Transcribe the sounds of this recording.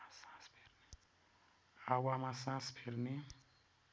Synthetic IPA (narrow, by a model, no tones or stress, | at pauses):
sãspʰeɾne | awamasãspʰeɾne